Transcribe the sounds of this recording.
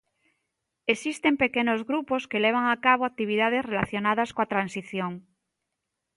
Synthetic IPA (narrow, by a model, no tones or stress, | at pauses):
esist̪e̞mpe̞kenozɣɾupo̞ske̞leβ̞aŋakaβ̞oak̚t̪iβ̞iðað̞e̞zre̞laθjo̞naðaskoat̪ɾansiθjoŋ